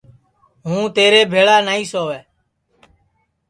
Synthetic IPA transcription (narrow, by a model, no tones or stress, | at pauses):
ɦũːt̪eːɾeːbʱeːɭaːnaːĩːsoːʋɛː